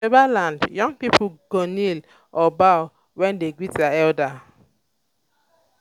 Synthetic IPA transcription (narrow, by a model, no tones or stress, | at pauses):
ebalandjɔŋpipuɡonil | ɔba | wɛndeɡwitaɛlda